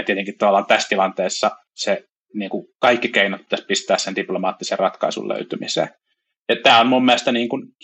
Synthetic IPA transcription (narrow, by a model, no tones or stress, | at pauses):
t̪iet̪eŋkit̪ɑʋɑlːˑɑːnt̪æst̪ilɑnt̪eːsːɑ | se | niːŋkukɑikːikeinɑt̪̚pit̪æspist̪æːssendiplomɑːt̪ːiserrɑt̪kɑ̰isṵllø̰yt̪ymḭsḛː | jɑt̪æːonmummieæest̪ɑniːŋkun